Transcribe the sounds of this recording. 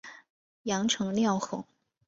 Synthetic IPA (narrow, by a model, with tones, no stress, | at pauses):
jɑ˧˥ŋʈ͡ʂʰɤ˧˥ŋljɑ˥˩ʊxʊ˨˩˦